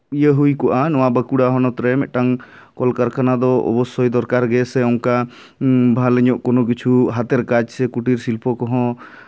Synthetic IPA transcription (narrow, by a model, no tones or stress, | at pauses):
ijəɦujkɔʔanɔwabəkuɽaɦɔnɔt̪ɾɛmɛ̰ʔʈaŋkɔlkaɾkanad̪ɔɔ̰bɔsːɔjd̪ɔɾkaɾɡɛsɛɔŋka | bʱaləɲɔʔkɔnɔk̬it͡ʃʰuɦat̪ɛɾkad͡ʒsɛkuʈiɾsilpɔkɔɦɔ̃